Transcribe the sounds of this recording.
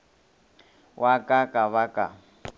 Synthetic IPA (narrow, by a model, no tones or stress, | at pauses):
wʔakʼakʼaβakʼa̰